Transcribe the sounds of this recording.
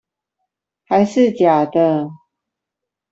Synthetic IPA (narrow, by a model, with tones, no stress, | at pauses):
xa˧˦ɪʂɻ̩˥˨t͡ɕja˨˩d̪ə˦